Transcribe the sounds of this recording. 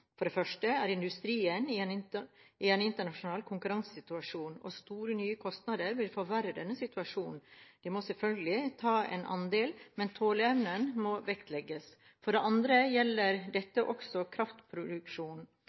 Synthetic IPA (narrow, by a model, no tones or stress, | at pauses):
fɔɖɛfœʂʈəæɾɪnd̪ʉst̪ɾiːənɪɛnɪɪɛnɪnt̪əɳɑʂʊnɑːlkʰʊŋkʉɾɑŋssɪt̪ʉɑʂuːnɔ̰st̪uːɾənyːəkʰɔst̪nɑd̪əɾʋɪlfɔɾʋæɾəd̪ɛnːəsɪt̪ʉɑʂuːnn̩d̪̥ɪmɔsɛlfœlɡəlɪt̪ʰɑːɛ̰nʔɑ̰nd̪eːlmɛnt̪ʰoːləɛʋnənmɔʋɛkt̪ʰlɛɡːəs | fɔɖɛʔɑnd̪ɾəjɛlːəɾd̪ɛt̪ːəʔɔksɔkʰɾɑft̪pʰɾʊd̪ʉkʂuːn